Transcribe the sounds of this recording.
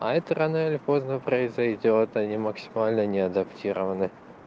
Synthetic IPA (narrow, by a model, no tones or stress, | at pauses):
ɐɛt̪əɾɐnoɪlʲpo̞znəpɾəɪzɐjdʲot̪ɐnʲiməksʲɪ̥malʲnənʲɪɐd̪ɐptʲiɾəvənɨ